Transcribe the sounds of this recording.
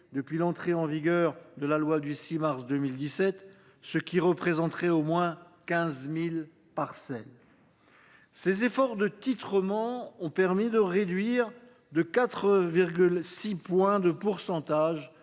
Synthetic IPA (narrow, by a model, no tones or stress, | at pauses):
d̪əpɥilɑ̃t̪χeɑ̃viɡʲœʁd̪əlalwad̪ysimaʁsd̪ømild̪isɛt̪ | səkʲiʁəpχezɑ̃t̪χɛomwɛ̃ | kʲɛ̃zmil | paʁsɛl | sezefɔʁd̪ət̪it̪χəmɑ̃ɔ̃pɛʁmid̪əʁed̪ɥiʁ | d̪əkat̪χəviʁɡʲylsipwɛ̃d̪əpuʁsɑ̃t̪aʒ